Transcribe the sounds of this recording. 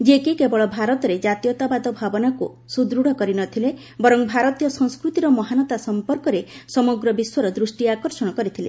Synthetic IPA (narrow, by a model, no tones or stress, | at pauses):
d͡ʒekikebɔɭɔbʱaɾɔt̪ɔɾed͡ʒat̪ijɔt̪abad̪ɔbʱabɔnakṵ | sud̪ɾuɽ̤ʱɔkɔɾinɔt̪ʰile | bɔɾɔŋbʱaɾɔt̪jɔsɔŋskɾut̪iɾɔmɔɦanɔt̪asɔmpɔɾkɔɾesɔmɔɡɾɔbiswɔɾɔd̪ɾusʈiakɔɾsɔɽ̃ɔkɔɾit̪ʰilḛ